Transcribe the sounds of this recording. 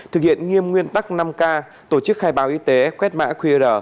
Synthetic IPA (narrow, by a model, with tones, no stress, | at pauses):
t̪ʰɨ˨˩k̚hḭ˧˨ənŋi˧əmŋwi˧ənt̪a˦˥k̚na˧mkaː˧ | t̪o˧˩t͡ɕɨ˦˥k̚xaː˧jɓaː˨˦wʔi˧t̪e˨˦kwɛ˦˥t̚ma̰ː˧˥kʰwi˧zəː˧˩